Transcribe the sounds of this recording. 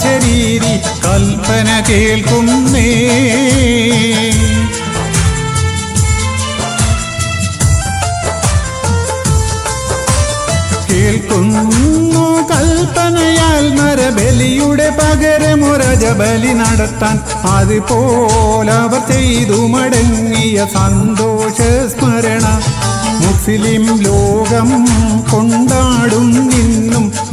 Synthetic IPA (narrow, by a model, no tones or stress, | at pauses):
ɐɾiːɾi | kɐlpɐnɐkeːɭkunːe | keːɭkunːokɐlpɐnɐjaːlmɐɾɐbelijuɽepɐɣɐɾemoɾɐd͡ʒɐbɐlinɐɽɐt̪ːaːn | ɐðɨpoːlɐʋɐsejðumɐɽɐŋːijɐsɐnd̪oːʂɐsmɐɾɐɳɐmuslimloːɡɐmkoɳɖaːɽumninːum